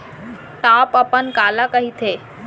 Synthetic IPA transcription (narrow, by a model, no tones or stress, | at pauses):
ʈaːpəpənkaːlakəɦit̪ʰeː